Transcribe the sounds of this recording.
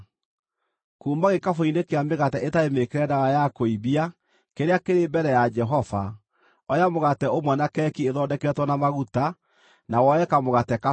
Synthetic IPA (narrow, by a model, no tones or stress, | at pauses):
kuːmaɣekafoinekeameɣatɛʔetaemekeɾɛndaɣajakoiβia | keɾeakeɾeːbɛɾɛjad͡ʒɛɦɔva | ɔjamoɣatɛomwɛnakɛkieðɔːdɛkɛtwɔnamaɣuta | nawɔɛkamoɣatɛka